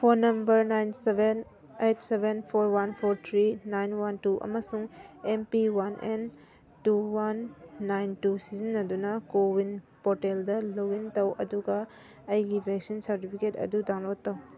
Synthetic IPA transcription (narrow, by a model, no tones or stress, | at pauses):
pʰonːɐmbɐɾnajnseben | ejtsebʱenpʰoɾwanpʰoɾt̪ʰɾinajnwantuʔɐ̰mɐsuŋempiwanʔḛn | tuwanːajntusizinːɐdunɐkowinpoɾteldɐlowintɐwʔɐduɡɐ | ɐjɡibʱeksinsɐɾtipʰiketɐ̰dudaŋlotːɐw